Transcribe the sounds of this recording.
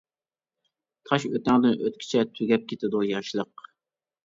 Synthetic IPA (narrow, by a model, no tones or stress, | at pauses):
t̪ʰɑʃøt̪ɛŋd̪ɪnʔøt̪̚kʲʰɪ̥t͡ʃʰɛt̪ʰyɡʲɛp̚kʲʰet̪ɪd̪ujɑʃlˠəq